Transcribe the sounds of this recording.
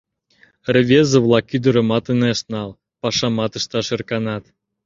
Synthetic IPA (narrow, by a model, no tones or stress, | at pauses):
rə̆βʲezə̆βlˠɑkyd̪ə̆ɾɤ̆mɑt̪əneʃnɑlˠ | pɑʃɑmɑt̪ə̆ʃt̪ɑʃĕrkɑnɑt̪